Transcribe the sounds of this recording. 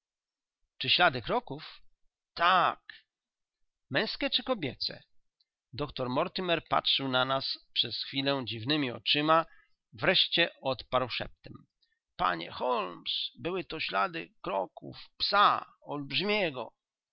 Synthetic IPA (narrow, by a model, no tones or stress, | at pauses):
t͡ʂɘɕlad̪ɘkɾɔkuf | t̪ak | mɛ̃w̃skʲɛt͡ʂɘkɔbʲjɛt̪sɛ̰ | d̪ɔkt̪ɔɾmɔɾt̪ɘmɛɾpa̰tʂɘwnanaspʂɛsxfʲilɛd͡ʑivnɘmʲiɔ̰t͡ʂɘma | vɾɛʂt͡ɕɛɔt̪paɾwʂɛ̰p̚t̪ɛm | pa̰ɲɛ̰xɔlmsbɘwɘt̪ɔɕlad̪ɘkɾɔkṵfpsaɔlbʐmʲɛɡɔ̰